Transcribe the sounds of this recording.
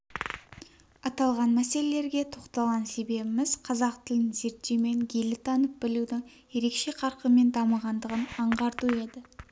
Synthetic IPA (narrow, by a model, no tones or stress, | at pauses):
ɑt̪ɑlˠʁɑnmæse̞le̞le̞ɾɡʲe̞t̪ʰo̞qt̪ɑlˠʁɑnse̞be̞bɪmɪz̥qʰɑzɑqt̪ʰɪlɪnze̞ɾt̪ːeme̞ŋɡʲʰe̞lɪt̪ʰɑnəp̚bɪlud̪ɪŋ | je̞ɾe̞kʃe̞qʰɑɾqəme̞nd̪ɑməʁɑnd̪əʁənɑɴʁɑɾt̪ue̞d̪ɪ